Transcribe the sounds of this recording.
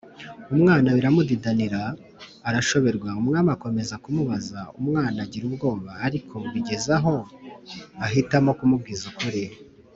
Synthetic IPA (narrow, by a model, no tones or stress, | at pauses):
umŋaːnaβiɾamudidaniɾaː | ɾaʃo̞βe̞ɾɡwaumŋaːmako̞me̞zakumuβazaumŋaːnaɟiɾubɡo̞ːβaːɾikʰo̞βiɟe̞zaɦo̞ | aɦitamo̞kumub̚ɡizukoɾejo